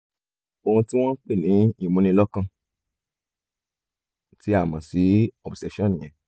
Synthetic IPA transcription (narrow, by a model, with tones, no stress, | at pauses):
o˧hũ˧tĩ˦w̃ɔ̃˦k͡pe˦˨nĩ˨˦i˦˨mũ˧nĩ˧lɔ˦kã˧ | ti˦a˦˨mã˨si˨˦ɔ˨bsɛ˨˧ʃɔ̃˦˨nĩ˨j̃ɛ̃˨